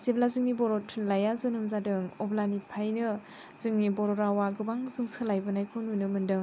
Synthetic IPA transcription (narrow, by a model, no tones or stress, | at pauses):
zeblazɯŋnibɔɾɔtʰunlajazɯnɯmzadɯŋɔblanipʰajnɯ | z̥ɯŋnibɔɾɔɾawaɡɯbaŋzɯŋsɯlajbɯnajkʰonunɯmɯndɯŋ